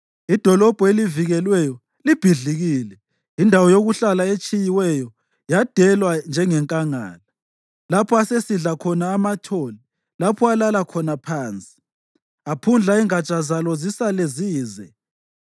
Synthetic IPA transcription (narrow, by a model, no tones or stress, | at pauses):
id̥ʱɔlɔb̥ʱɔeliviɣɛlwɛjɔ | lib̥ʱiɮiɣiːlɛ | indʱawɔjoɣuɬalaet͡ʃʼijiwɛjɔ | jad̥ʱɛlwand͡ʒʱɛŋɛŋkʼaŋa̰ːla | lapʰɔasesiɮakʰɔnaːmatʰoːli | lapʰɔalalakʰɔnapʰaːnt͡sʼi̥ | apʰund͡ɮʱaiŋat͡ʃʼazalɔzisaleziːzɛ